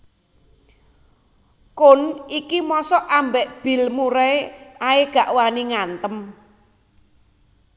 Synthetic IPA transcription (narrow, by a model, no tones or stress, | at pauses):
kʊnikimɔsɔʔambɛʔb̥i̤lmuɾɛaeɡ̥a̤ʔwaniŋant̪əm